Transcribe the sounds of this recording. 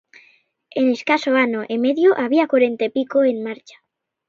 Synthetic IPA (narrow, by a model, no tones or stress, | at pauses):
eneskasoanoʔemeðjoʔaβ̞iakwaɾent̪aepikoenmaɾt͡ʃḁ